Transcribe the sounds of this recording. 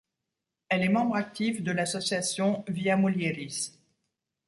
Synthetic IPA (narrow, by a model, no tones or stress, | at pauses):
ɛlɛmɑ̃bʁak̚t̪ivd̪əlasɔsjasjɔ̃viamɔljeʁis